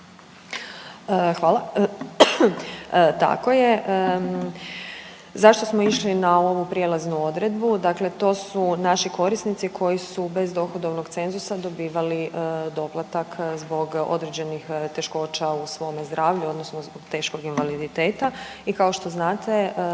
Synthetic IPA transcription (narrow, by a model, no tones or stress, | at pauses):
əxʋaːlˠa | t̪a̰ko̞jeʔ | zaʃt̪o̞smo̞iʃlinao̞ʋupɾjelaznuo̞d̪ɾe̞d̪bud̪akle̞t̪o̞ːsunaʃiko̞ɾisnit̪sikʰo̞jisube̞zd̪o̞xod̪o̞ʋnoɡt̪se̞nzusad̪o̞biːʋalid̪o̞plˠat̪akzbo̞ɡo̞̰d̪ɾed͡ʑe̞nixt̪e̞ʃko̞ːt͡ɕausʋo̞mezd̪ɾaːʋʎuo̞d̪nosnozboɡt̪e̞ːʃko̞ɡinʋalid̪it̪e̞ːt̪a | ikao̞ʃt̪o̞znaːt̪e̞